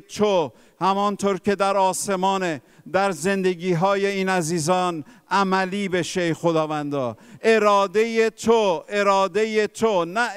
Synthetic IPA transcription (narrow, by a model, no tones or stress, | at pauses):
t̪ʰo | hæmɒːnt̪ʰoːɾce̞d̪æɾɒːse̞mɒːne | d̪æɾze̞nd̪e̞ɡiːɦɒːje̞iːnæziːzɒːn | æmæliːbe̞ʃejxod̪ɒːvænd̪ɒːe̞ɾɒːd̪e̞jet̪ʰoʔe̞ɾɒːd̪e̞jet̪ʰonæ